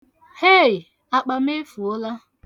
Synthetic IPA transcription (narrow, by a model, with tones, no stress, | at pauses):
he˦˨ | a˦k͡pa˦m̩˦e˦fu˨ʊ˦la˦